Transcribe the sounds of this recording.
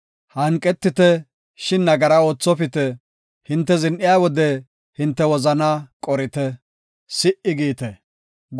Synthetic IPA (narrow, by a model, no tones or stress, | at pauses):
hɐŋkʼːɛt̪ːɪt̪ɛ | ʃɪnːɐɡɐɾɐo̞ːt͡sːɔpɪt̪ɛ | hɪnt̪ːɛzɪnʔɪjawɔd̪ɛ | hɪnt̪ːɛwɔzɐnakʼɔɾɪt̪ɛ | sɪʔɪɡiːt̪ɛ | ɡ